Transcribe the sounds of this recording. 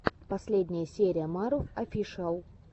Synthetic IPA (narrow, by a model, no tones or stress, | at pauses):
pɐsʲlʲedʲnʲɪjəsʲeɾʲɪjəmaɾofɐfʲiʂalˠ